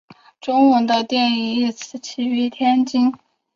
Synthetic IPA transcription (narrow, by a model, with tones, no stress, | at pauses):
ʈ͡ʂʊ˥ŋwə˧˥nd̪ə˧t̪jɛ˥˩ni˧˥i˥˩t͡sʰɹ̩˧˩t͡ɕʰi˧˥y˧˥t̪ʰjɛ˥nt͡ɕi˥ŋ